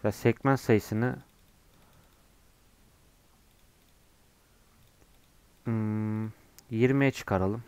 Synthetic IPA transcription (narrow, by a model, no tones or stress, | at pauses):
vɛsɛcmænsajɯsɯnɯ | jiɾmejɛt͡ʃʰɯ̥kʰaɾalˠɯm